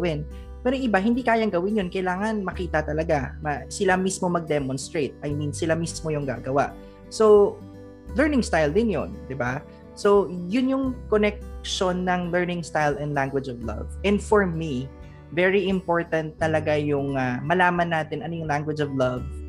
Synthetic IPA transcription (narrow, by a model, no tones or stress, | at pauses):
ɐwɪn | pɛːɾoʔɪbaɦɪnd̪iːkaːjɐŋɡɐwɪnjonkɐjlaːŋɐnmɐkiːt̪ɐt̪ɐlɐɡamɐsɪlamismo̞mɐɡ̚d̪ɛmonst̪ɹejt̪̚ʔɐjmĩnsɪlamismojʊŋɡa̰ːɡɐwa̰ʔ | so̞ | lɛɹnɪ̃ŋst̪ajld̪ɪnjo̰nd̪ɪba | so̞jʊnjʊŋkonɛk̚ʃo̞nːɐŋlɛɹnɪ̃ŋst̪ajlɛ̃nd̪laŋɡwɪd͡ʒɔvlɐ̰vɛ̃nd̪fɔɹmi | vɛɹiʔɪmpo̞ɹt̪ɐnt̪̚ːɐlɐɡajʊŋamɐlaːmɐnːaːt̪ɪnʔɐnojʊŋlaŋɡwɛd͡ʒɔvlɐv